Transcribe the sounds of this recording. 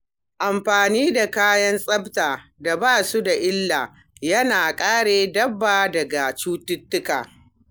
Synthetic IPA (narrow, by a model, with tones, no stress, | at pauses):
ʔa˨mɸaː˨niː˦da˨kaː˦jɐ˦nsʼɐ˦btaː˨da˨baː˦˨su˦da˨ʔɪ˦lːaː˨ | jɐ˦naː˨kʼaː˦ɽeː˨dɐ˦bːaː˨dɐ˨ɡa˨t͡ʃuː˦tʊ˦tːʊ˦ka̰ː˨